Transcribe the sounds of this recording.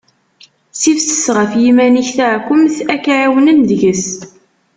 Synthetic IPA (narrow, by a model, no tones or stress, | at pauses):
sifsə̥sʁəfjimæniçθaʕkʷːʊmθækʕawənənd̪ʝəs